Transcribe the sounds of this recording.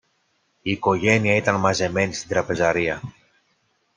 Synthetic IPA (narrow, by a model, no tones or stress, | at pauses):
iːko̞ʝe̞niɐit̪ɐnmɐze̞me̞nist̪ind̪ɾɐpe̞zɐɾiɐ